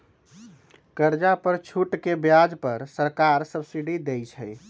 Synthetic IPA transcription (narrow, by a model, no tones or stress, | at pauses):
kəɾd͡ʒapəɾt͡ʃʰuʈkebjad͡ʒpəɾsəɾkaɾsəbsiɖid̪ejt͡ʃʰəj